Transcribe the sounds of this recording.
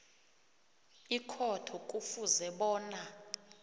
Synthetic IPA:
ikʰɔtʰɔkʼufuzɛɓɔːna

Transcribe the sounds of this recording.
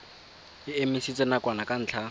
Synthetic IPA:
ɪemisit͡sʼɛnakwanakʼan̩ːt͡ɬʰa

